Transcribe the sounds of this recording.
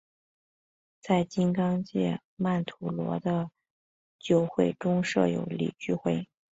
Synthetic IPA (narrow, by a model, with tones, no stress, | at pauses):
t͡sa˥˩ɪt͡ɕi˥nkɑ˥ŋt͡ɕjɛ̰˥˩ | ma˥˩nt̪ʰu˧˥lwɔ̰˧˥d̪ə˧ | t͡ɕjo˥˧ʊxwe˥˩ɪʈ͡ʂʊ˥ŋʂɤ̰˥˩jo̰˧˥ʊlḭ˨˩t͡ɕy˥˧xwe˥˩ɪ